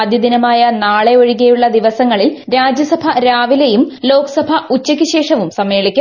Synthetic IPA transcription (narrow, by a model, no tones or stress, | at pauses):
ɐd̪jɐd̪inɐmaːjɐnaːɭeo̞ɻiɣejuɭːɐd̪iʋɐsɐŋːɐɭilɾaːd͡ʑjɐsɐbʱɐɾaːʋilejumlo̞ːkɐ̥sɐbʱɐut͡ɕːɐkʲːuɕe̞ːʂɐʋumsɐmːe̞ːɭikʲːɐ